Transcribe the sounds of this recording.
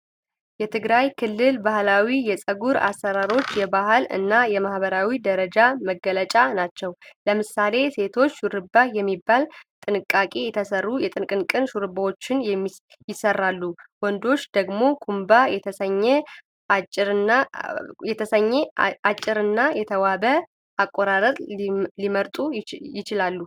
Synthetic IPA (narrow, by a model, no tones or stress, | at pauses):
jɛt̪ʰɨɡɾajkʰɨlːɨlbahlawijɛsʼəɡuɾa̰sːəɾaɾo̞t͡ʃːjɛbahɨlɨ̰nːajɛmahbəɾawid̪əɾəd͡ʒaməɡələt͡ʃʼanat͡ʃːɛwləmɨsale̞se̞t̪ʰo̞t͡ʃːʃuɾɨbajɛmːibːalt̪ʼɨnɨkʼːakʼe̞jɛt̪ʰəsərːujɛt̪ʼɨnkʼɨnkʼɨnʃuɾɨbawot͡ʃːɪnjɛmːi | jɪsərːalːuwɔnd̪o̞t͡ʃːd̪əɡmo̞kʰumbajɛt̪ʰəsəɲːɛ | at͡ʃʼɾnajɛt̪ʰəsəɲːɛat͡ʃʼːɪɾɨnːajɛt̪ʰəwabə | ʔakʼːoɾaɾət̪ʼliməɾt̪ʼujɪt͡ʃɪlalːu